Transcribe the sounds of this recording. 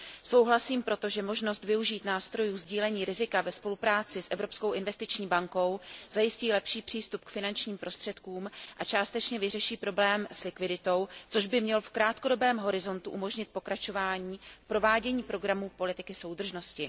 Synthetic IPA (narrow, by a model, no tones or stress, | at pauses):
so̞wɦlasiːmpɾo̞t̪o̞ʒɛmo̞ʒno̞st̪vɪuʒiːt̪naːst̪ɾo̞juːzɟiːlɛɲiːɾɪzɪkavɛspo̞lupɾaːt͡sɪsʔɛvɾopsko̞wʔɪnvɛst̪ɪt͡ʃɲiːbaŋko̞wz̥ajɪsciːlɛpʃiːpr̝̥iːst̪upkfɪnant͡ʃɲiːmpɾʔo̞st̪r̥ɛt̪kuːmʔat͡ʃaːst̪ɛt͡ʃɲɛvɪrɛʃiːpɾo̞blɛːmslɪkvɪdɪt̪o̞wt͡so̞ʒbɪmɲɛlfkɾaːt̪ko̞do̞bɛːmɦo̞ɾɪzo̞nt̪uʔumo̞ʒɲɪt̪̚po̞kɾat͡ʃo̞vaːɲiːpɾo̞vaːɟɛɲiːpɾo̞ɡɾamuːpo̞lɪt̪ɪkɪso̞wd̪r̩ʒno̞scɪ